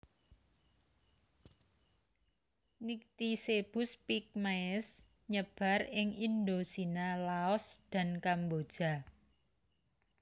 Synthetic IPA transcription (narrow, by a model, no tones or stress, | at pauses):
nik̚t̪iseb̥ʊ̤spik̚maɛs | ɲəb̥ä̤rɪŋind̪osinalaɔsd̪̥a̤nkambod̥ʒ̥ä̤